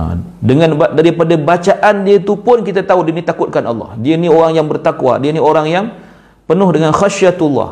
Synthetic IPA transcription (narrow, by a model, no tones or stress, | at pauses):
dəŋãnbadaɾipadabat͡ʃaʔandiət̪upʊnkit̪at̪audiənit̪akʊt̪̚kanʔɑ̰lːɑ̰hdianioɾaŋjaŋbərt̪akwa̰dianioɾaŋjaŋ | pənʊhdəŋanxaʃiat̪ul̰ːh